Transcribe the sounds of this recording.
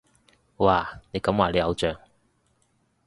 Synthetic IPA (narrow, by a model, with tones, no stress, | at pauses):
waː˨˩ne˨˧jkɐ˨˥mwaː˨˩le˨˧jhɐ˨˧wt͡ʃœː˨ŋ